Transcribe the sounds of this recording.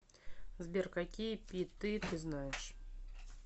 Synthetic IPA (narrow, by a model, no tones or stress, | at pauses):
zbʲerkakʲijəpʲit̪ːɨt̪ɨznajɪʂ